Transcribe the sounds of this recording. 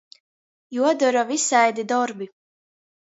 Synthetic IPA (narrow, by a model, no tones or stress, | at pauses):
juɔd̪ɔɾɔvisajd̪id̪ɔɾbi